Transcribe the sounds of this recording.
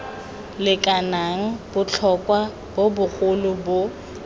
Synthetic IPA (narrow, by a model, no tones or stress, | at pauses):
lɪkʼanaŋ̩bʊt͡ɬʰɔkʼwa | bobʊχʊlʊbo